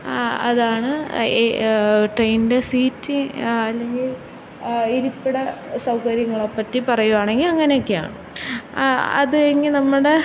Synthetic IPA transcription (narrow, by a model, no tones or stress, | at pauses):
ɐ̰ðaːɳɨ | ʈrejndesiːtːiɐlːe̞ŋɡil | iɾupːiɽɐsɐwkɐɾjɐŋːɐɭopːɐtːipɐrɐjuʋaːɳe̞ŋɡilɐŋːɐneokːeja̰ːɳɨ | ɐ̰ðɨeŋːinɐmːuɽe̞